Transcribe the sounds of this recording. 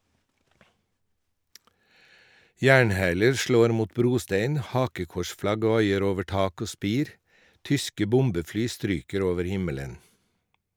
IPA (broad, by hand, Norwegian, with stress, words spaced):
ˈjæːɳˌhæːləɾ ˈʃloːɾ ˈmuːt ˈbɾuːˌsteɪn ˈhɑːkəˌkɔʃˌflɑɡ ˈʋɑɪəɾ ˈoːʋə ˈʈɑːk ˈoː ˈspiːɾ ˈtʏskə ˈbʊmbəˌflyː ˈstɾyːkəɾ ˈoːʋəɾ ˈhɪmələn